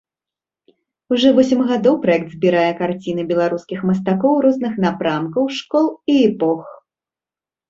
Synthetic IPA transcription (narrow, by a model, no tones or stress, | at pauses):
uʐɔvɔsʲimɣad̪ɔwpɾajɛk̚t̪zʲbʲiɾajɛkart͡sʲinɨbʲɛlˠaɾuskʲixmɐst̪akɔwɾɔznɨxnapɾamkɐwʂkɔlˠiɛpɔx